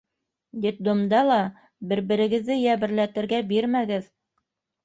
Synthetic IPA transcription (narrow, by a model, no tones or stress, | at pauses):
d̪it̪̚d̪ŏmd̪ɑlˠɑ | bɘ̆ɾbɘ̆ɾɘ̆ɡɘ̆ðːɘjæβɘ̆ɾlæt̪ɘ̆ɾɡæbiɾmæɡɘð